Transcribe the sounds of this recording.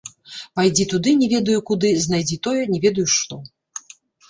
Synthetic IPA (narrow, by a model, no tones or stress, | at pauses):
pajd͡zʲit̪ud̪ɨnʲɛvʲɛd̪ɐjukud̪ɨznajd͡zʲit̪ɔjɛnʲɛvʲɛd̪ɐjuʂt̪ɔ